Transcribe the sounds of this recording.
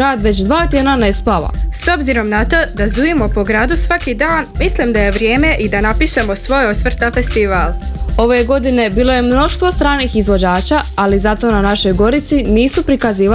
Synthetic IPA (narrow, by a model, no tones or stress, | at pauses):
ɾaːd̪ʋe̞t͡ɕd̪ʋaːt̪jed̪nanespala̰so̞bziɾo̞mnat̪o̞ːd̪azd̪ujimo̞po̞ɡɾaːd̪usʋakid̪aːnmislimd̪aje̞ʋɾje̞ːme̞ʔid̪anapiʃe̞mo̞sʋo̞josʋr̩t̪afe̞st̪iʋaːlˠo̞ʋeɡo̞d̪ine̞biːlˠo̞je̞mno̞ʃt̪ʋo̞st̪ɾaːniːxizʋo̞d͡ʑaːt͡ɕaalizat̪o̞ːnanaʃo̞jɡo̞ɾit̪siniːsupɾikaziːʋa